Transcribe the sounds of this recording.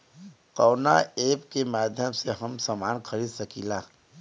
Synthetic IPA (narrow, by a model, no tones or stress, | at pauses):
qɔːnaeːpkemaːd̪ʱjəmseɦɐmsamaːnxəɾiːd̪sɐkiːlaː